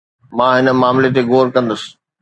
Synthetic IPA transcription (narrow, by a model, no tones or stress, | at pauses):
mãːɦɪnə̆maːmlet̪eɡoːɾkɐ̃nd̪əsɪ̥̆